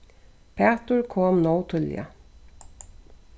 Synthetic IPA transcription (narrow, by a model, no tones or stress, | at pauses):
pʰeːt̪ʊɹkʰoːmnoʊt̪ʰʏljə̰